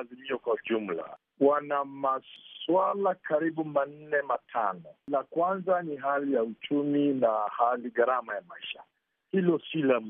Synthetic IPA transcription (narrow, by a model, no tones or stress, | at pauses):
zimiɔkwauʄum̩la̰ | wanamaswalakaɾiɓuman̩nɛmatʰa̰nɔlakwanzaniɦalijaut͡ʃuminahaliɡaɾamajamaiʃa | hilɔsila